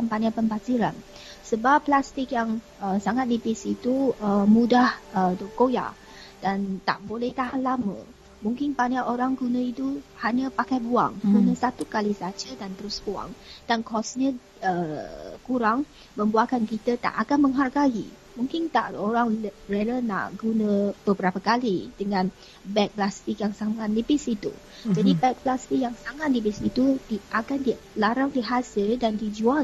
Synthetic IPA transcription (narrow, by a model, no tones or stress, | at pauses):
anpanapəmbad͡ʒiɾan | səbapːlast̪ɪk̚jaŋ | əsaŋat̪̚libɪsit̪uəmudahədokoja̰ | d̥ant̪a̰ʔbolɛht̪aɦanlamə̰ | muŋkɪnpanaʔoɾaŋɡunə̃it̪uhaɲəpakajbua̰ŋkunə̃sat̪ukalisad͡ʒədant̪əɾʊsbua̰ŋd̥ankɔsɲə̃ | əkuɾaŋ | mə̃mbuakankit̪ət̪a̰ʔakanməŋɦarɡaḭ | mũŋkɪnt̪a̰ʔoɾaŋreləna̰ʔɡunə̃b̥əbəɾapakalidəŋãn | bɛk̚plast̪ɪk̚jaŋsaŋat̪̚ləbɪsit̪ṵ | d͡ʒadibɛk̚plast̪ik̚jaŋsaŋat̪̚ləbɪsit̪udiʔaɡandilaɾaŋdiɦasɪldandid͡ʒual